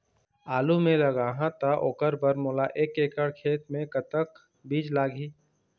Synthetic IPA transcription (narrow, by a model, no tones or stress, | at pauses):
aːlumẽlɐɡaːɦãt̪aʔoːkəɾbəɾmoːlaʔeːkeːkəɽkʰeːt̪mẽkət̪ək | biːd͡ʒlaːɡʱiː